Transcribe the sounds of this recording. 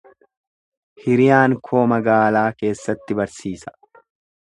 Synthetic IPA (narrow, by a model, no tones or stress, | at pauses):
hɪɾɪjaːŋkʰo̞ːmɐɡaːlaːke̞ːsːɐt̪ːɪbɐɾsiːsɐ̥